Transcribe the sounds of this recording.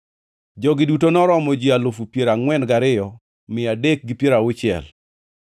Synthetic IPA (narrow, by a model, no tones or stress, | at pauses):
d͡ʒɔɡɪdutonɔɾɔmɔd͡ʒialofupjeɾaŋwɛnɡaɾɪjɔ | mɪadek̚ɡɪpjeɾaʊt͡ʃɪɛ̰l